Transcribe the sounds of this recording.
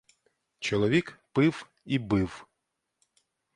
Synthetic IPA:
t͡ʃɔlˠɔʋʲikpɪw | ibɪw

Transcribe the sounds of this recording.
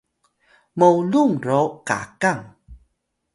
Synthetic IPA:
mowluŋɾoka̰kaŋ

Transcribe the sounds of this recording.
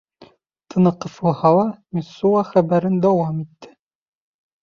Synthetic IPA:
t̪ɤ̆nɤ̆qɤ̆flˠɤhɑlˠɑmisːuɑχæbæɾɘnd̪æwɑmit̪ːɘ

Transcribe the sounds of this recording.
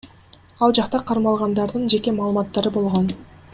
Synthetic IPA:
ɑlˠd͡ʒɑqt̪ɑqʰɑɾmɑlˠʁɑnd̪ɑɾd̪ɯnd͡ʒe̞ke̞mɑːlˠɯmɑt̪ːɑɾɯbo̞lˠʁo̞n

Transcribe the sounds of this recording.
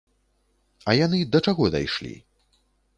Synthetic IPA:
ɐjanɨd̪ɐt͡ʂaɣɔd̪a̰jʂlʲḭ

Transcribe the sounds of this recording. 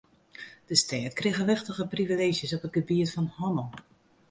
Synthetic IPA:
d̥əstɛːtkrɪɣəʋɪxtəɣəprivileːʒjəsɔpət̚ɡəbiətfɔnhɔməlˠ

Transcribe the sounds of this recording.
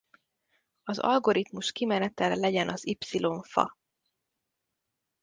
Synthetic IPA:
ɒzɒ̰lɡo̞ɾit̪muʃkimɛnɛt̪ɛllɛɟɛnʔɒzipsilo̞ɱfɒ̰

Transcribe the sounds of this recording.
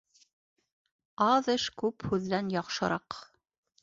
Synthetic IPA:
ɑðɤʃkʉphʉðːænjɑqʃɤ̆ɾʔɑq

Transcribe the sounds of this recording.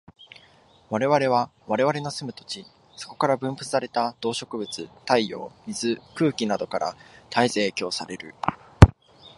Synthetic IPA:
βaɾe̞βaɾe̞β̞aβaɾe̞βaɾe̞no̞sɨmɯ̟t̪o̞̥t͡ɕi | so̞̥ko̞̥kaɾabɯ̟̃mpɯ̟t͡sɨ̥saɾe̞t̪ad̪̥o̞ːɕo̞kɯ̟bɯ̟t͡sɨt̪aijo̞̰ːmʲizɨkɯ̟ːkʲinad̪o̞kaɾʔa̰t̪aizeːkʲo̞ːsaɾe̞ɾɯ̟̰

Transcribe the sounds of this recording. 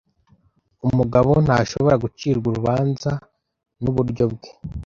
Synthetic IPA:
umuɡaβon̥haʃoβo̞ɾaɡut͡ʃiːɾɡuɾuβaːnza | nuβuɾɟo̞bɡe

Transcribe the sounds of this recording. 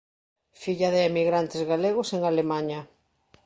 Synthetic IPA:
fiʎaðɪːmiɣɾant̪ɪzɣaleɣʊseŋalemaɲɐ

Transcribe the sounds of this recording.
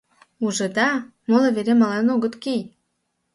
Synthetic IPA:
uʒɤ̆d̪ɑmoleβeɾemɑlenoɣət̪kej

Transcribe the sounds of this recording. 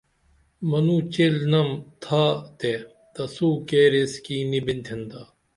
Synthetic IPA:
mɐnuːt͡ɕelnɐmt̪ʰaːt̪e | t̪ɐsuːkeːɾeskiːnibint̪ʰind̪aː

